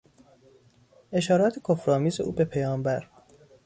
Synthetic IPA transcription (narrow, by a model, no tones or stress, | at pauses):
ʔe̞ʃɒːɾɒːt̪ʰekʰofɾɒːmiːzeʔuːbe̞pʰejɒːmbæɾ